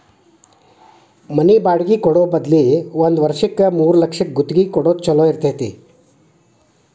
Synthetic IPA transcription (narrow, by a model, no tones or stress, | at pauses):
məniːbaɽɡiːkoɽobəd̪liʋənd̪ʋəɾʂikəmuːɾləkʂik̚ɡut̪ɡiːkoɽot̪t͡ɕɐloiɾt̪əɦt̪ḭ